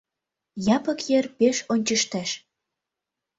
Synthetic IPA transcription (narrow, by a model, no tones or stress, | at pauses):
jɑpɤ̆kjerpeʃonʲt͡ɕəʃt̪æʃ